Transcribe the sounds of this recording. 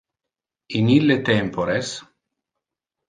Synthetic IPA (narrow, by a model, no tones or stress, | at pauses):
inilːet̪ɛmpoɾes